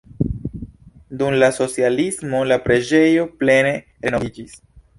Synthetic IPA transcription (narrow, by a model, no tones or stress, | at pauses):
dumlaso̞t͡sialismo̞lapɾe̞d͡ʒe̞jo̞ple̞ne̞ | ɾe̞noid͡ʒis